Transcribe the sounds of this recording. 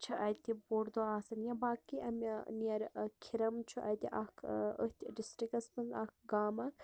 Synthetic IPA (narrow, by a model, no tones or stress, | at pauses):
t͡ʃʰɐʔɐt̪ʲiboːɾd̪oaːsɐnjɐ̃baːkːiʔɐmniɐɾkʰiɾɐmt͡ʃʰuʔɐt̪ʲḭʔɐkəht̪iɖisʈɾikɐspɐnɡ̪ɐkɡaːmɐk